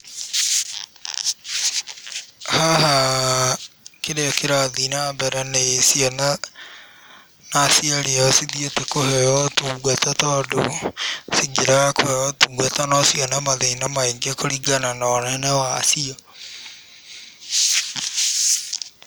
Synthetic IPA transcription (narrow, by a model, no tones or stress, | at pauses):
haɦa | keɾeɔkeɾaaðinabɛɾɛnɛsiɔna | nasiaɾeɔsiðietekohɛjɔtuɡatatɔdo̰siɡeɾaakohɛɔtuːɡwatanɔsiɔnamaðinamaiɡekoɾiɡananɔnɛnɛwa̰ːsiɔ